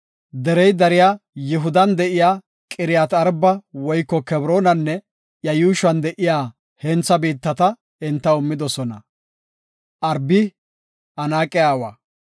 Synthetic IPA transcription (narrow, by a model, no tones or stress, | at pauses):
d̪ɛɾɛjd̪ɐɾɪjaːjɪɦʊd̪ɐnd̪ɛʔɪjaː | kʼɪɾɪjaːt̪ɐɾbɐwɔjkːɔkɛbɾoːnɐnːɛ | jɐjuːʃɐnd̪ɛʔɪjaː | hɛnt͡sːɐbiːt̪ːɐt̪ɐ | ɪnt̪ːɐʊmːɪd̪ɔsɔnɐ̰ | ʔɐɾbɪ | ɐnaːkʼɪjaːwa̰ː